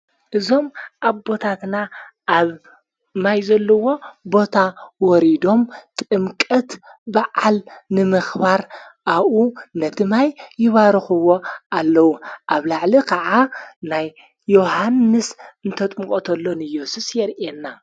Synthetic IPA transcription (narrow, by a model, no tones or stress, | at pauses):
ʔɨzo̞mʔaβbo̞t̪ʰat̪naʔːβ | majzɐlːɐwo̞bo̞t̪ʰawɔɾid̪o̞mt̪ʼɨmkʼɐt̪baʕalnɨmɨxbaɾʔaβʔunɐt̪ʰɨmajːɪβaɾɨxɨwo̞alːɐwuʔaβlaʕlikʰaʕanajː | ohanːɨsɨnt̪ʰɐt̪ʼmukʼot̪ʰɐlːo̞nɨjːosusjɛɾʔenːa